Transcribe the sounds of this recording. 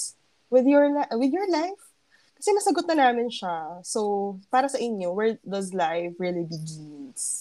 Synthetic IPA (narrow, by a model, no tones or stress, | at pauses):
wɪðjɔɹlaʔwɪðjɔɹlajf | kɐ̥sɛmɐsɐɡot̪̚nɐnaːmɪnʃasowpaːɾɐsɐʔɪɲjo̞wɛɹd̪ɐzlajfɹilibɪɡɪns